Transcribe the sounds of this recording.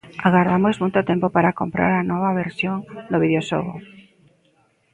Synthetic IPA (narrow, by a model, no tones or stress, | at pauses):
aɣaɾðamozmujt̪ot̪empopaɾakompɾa̰ɾanoβaβeɾsjoŋd̪oβið̞joʃoɣo̰